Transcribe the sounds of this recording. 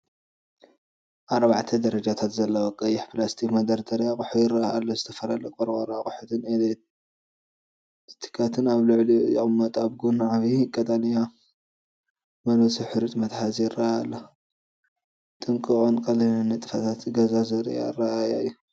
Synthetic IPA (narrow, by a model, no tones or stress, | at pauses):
ʔaɾbaʕt̪ʰɐd̪ɐɾɐd͡ʒat̪ʰat̪zɐlːɐwokʼɐjːɪħplast̪ʰikmɐd̪ɐɾd̪ʰɐɾjakʼʊħuɪɾɐaalːozɨt̪ʰɐfɐlalɐkʼoɾwʼɐɾɐakʼʊħut̪ʰɨned̪e | t̪t̪ʰi̥kʰat̪ʰɨnaβlɨʕlijɪʔʼmːɐt̪ʼaβɡunʕaβikʼːɐt̪ʼanja | mɐnosiħɨɾɨt̪ʼmɐt̪ħazjɪraajalːɐ | t̪ʼɨŋkʼɨkʼonkʼɐlinɨnːɐt̪ʼɨfat̪ʰat̪ɡɐzazɨɾɐ̰ja̰raajajːu